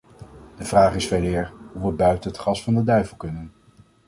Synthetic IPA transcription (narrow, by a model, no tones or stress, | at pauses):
d̥əvraːχɪsfejlɪːɹɦuʋəbœɥtənətχɑsfɑndədœɥvəlˠkɵnən